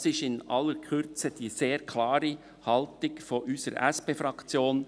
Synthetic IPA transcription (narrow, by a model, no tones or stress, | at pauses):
sɪʃɪnʔɑ̰lːəɾkʰʏɾt͡səd̥iːseːɾkʰlɑːɾi | hɑltɪɡfɔʔyːsəɾʔɛspeːfɾɑkt͡sjoːn